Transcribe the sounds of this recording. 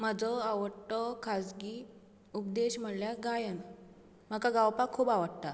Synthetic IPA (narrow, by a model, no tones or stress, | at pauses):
m̤əd͡zɔaʋəɽʈɔkʰad͡zɡiː | up̚d̪eɕm̤əɽljaɡajən | m̤akaɡawpakʰːuːbaʋəɽt̪a